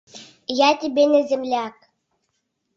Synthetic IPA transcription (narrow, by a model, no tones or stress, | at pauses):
jatʲebʲenʲɛzʲemlʲak